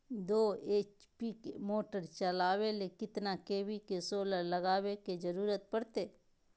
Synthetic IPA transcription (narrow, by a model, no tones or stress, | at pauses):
d̪oːeːt͡ʃpikemoːʈəɾt͡ʃəlaːwelekɪt̪nakeːwikesoːləɾlɐɡaːweked͡ʒəɾuːɾət̪̚pəɽt̪eː